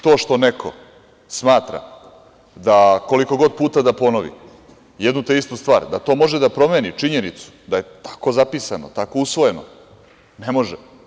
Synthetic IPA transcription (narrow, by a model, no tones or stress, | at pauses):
t̪o̞ːʃt̪o̞nekʰo̞ | smaːt̪ɾa̰ | d̪ako̞liko̞ɡo̞d̪̚puːt̪ad̪apo̞noʋḭ | jɛd̪nut̪eist̪ust̪ʋaːɾd̪at̪o̞ːmo̞ʒed̪apɾo̞me̞ːnit͡ʂiɲe̞nit̪su̥d̪aje̞t̪ḁko̞zapiːsanot̪ako̞usʋo̞je̞no | nemo̞ʒɛ